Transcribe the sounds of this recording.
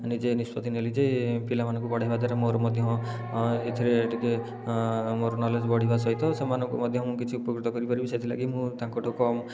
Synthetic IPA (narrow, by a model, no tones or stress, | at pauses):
anid͡ʒenispɔt̪inelid͡ʒepilamanɔ̃ŋkupɔɽ̤ajbad̪ʱaɾemoɾɔmɔd̪ʱjɔɦɔ̃ | et̪ʰiɾeːʈike | moɾɔnɔled͡ʒbɔɽ̤ibasɔjt̪ɔsemanɔ̃ŋkumɔd̪ʱjɔɦmũkit͡ʃʰiupɔkɾit̪ɔkɔɾipaɾibiset̪ʰila̰ɡimũt̪ãŋkɔʈʰokɔm